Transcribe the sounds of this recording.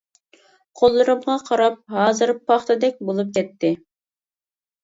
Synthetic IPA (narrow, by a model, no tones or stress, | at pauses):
qʰolˠːɨɾɨmʁɑqʰɑɾɑp̚ɦɑːzɨɾɨpʰːɑχt̪ɨd̪ɛk̚ʲbolˠup̚kʰʲɛt̪ʰːɪ